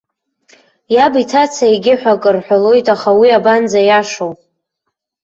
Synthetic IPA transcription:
jabitʰat͡sʰaeɡʲɪħʷᶣakʼɨrħʷᶣalo̞jtʼaχawiaband͡zajaʂowʼ

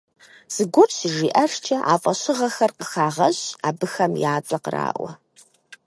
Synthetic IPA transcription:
z̥ɨɡʷɔt͡ʃʼsɨʒiːʔɐʂt͡ʃʰʼɐʔa̰ːfʼɐɕɨʁɐxɐrqəxaːʁɐɕaːbɨxɐmjaːt͡sʼɐqəra̰ːʔʷɐ̰

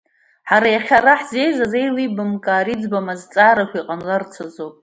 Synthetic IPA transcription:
ħaɾajaχʲaɾaħzejzazejlibɨmkʼaːɾid͡zbamazt͡sʼaːɾakʷʰiqʼanlart͡sʰazowpʼ

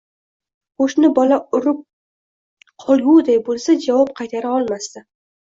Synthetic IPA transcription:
qoʃnɪbɒlaʊɾɪp̚ | qʰɒlˠɡʲud̪ajbolˠsad͡ʒavɒp̚qʰɑjt̪ʰaɾaɒlˠmast̪ɪ

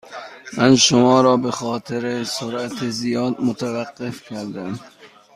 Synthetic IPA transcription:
mænʃomɒːɾɒːbexɒːt̪ʰeɾesoɾʔæt̪ʰezijɒːd̪̚mot̪ʰævæɢːefcʰæɾd̪æm

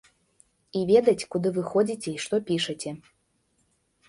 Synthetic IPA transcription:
ivʲɛd̪ɐt͡sʲkud̪ɨvɨxɔd͡zʲit͡sʲɛiʂt̪ɔpʲiʂɐt͡sʲɛ

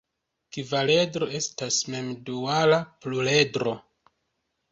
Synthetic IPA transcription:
kivale̞dɾo̞e̞stasme̞mdualapluledɾo̞

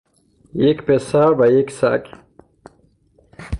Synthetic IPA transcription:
jekpesaɾvajeksa̰k

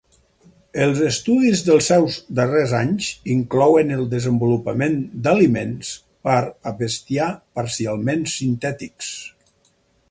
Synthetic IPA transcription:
əlˠzəst̪uðizðəlˠsɛwzd̪ərezaɲziŋklɔwənəlˠd̪əzəmbulupəmend̪alimens | pəɾəβəst̪iapəɾsialˠmensint̪ɛt̪iks

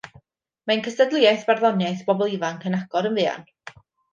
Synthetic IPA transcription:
mankʰəstədlˠɪajθb̥arðɔnjajθb̥ɔbɔlˠivaŋkʰənaɡɔɾənvɨːa̰n

